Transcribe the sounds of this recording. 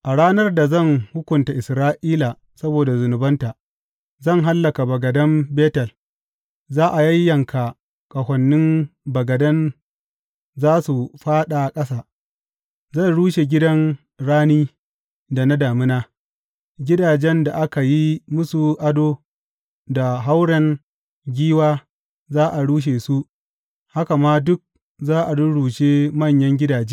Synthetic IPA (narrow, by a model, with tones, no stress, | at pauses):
ʔa˨ɽaː˦nɐ˦rda˨zɐ˦˨ŋhʊ˦kʷʊ˨nta˨ʔɪ˨sɾaː˦ʔiː˦la˨ | sɐ˦boː˨da˨zʊ˨nʊ˨bɐ˦nta˨ | zɐ˦˨ŋɦa˦lːɐ˨ka˨bɐ˨ɡɐ˨dɐ˦mbeː˦tɐ˨l | zaː˦ʔa˨jɐ˦jːɐ˨ŋkʰa˨ | kʼɐ˨hʷɐ˨nːɪ˦mbɐ˨ɡɐ˨dɐ˦n | zaː˦su˨ɸaː˦ɗa˨kʼɐ˦sa˨ | zɐ˦˨nɽuː˦ʃe˨ɡʲɪ˦dɐ˦n | ɽaː˦niː˦ | da˨na˦daː˨mɪ˦naː˦ | ɡʲɪ˦daː˨d͡ʒɛ˦nda˨ʔa˦ka˨ji˦mʊ˦su˨ʔa˦doː˦ | da˨ɦa˦wɽɐ˦n | ɡʲiː˦waː˦ | zaː˦ʔa˨ɽuː˦ʃ̬eː˨su˦ʔ | ha˦ka˨maː˦dʊ˦k̚ | zaː˦ʔa˨dʊ˦ɽuː˨ʃeː˦mɐ˦˨ɲjɐ˦ŋɡʲɪ˦daː˨d͡ʒeː˦